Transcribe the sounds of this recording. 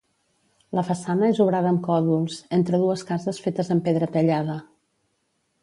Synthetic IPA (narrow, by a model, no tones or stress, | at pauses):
ləfəsanəezuβɾaðəːmkɔðulˠz̥ent̪ɾəðuəskazəsfet̪əzəmpeðɾət̪əʎaðə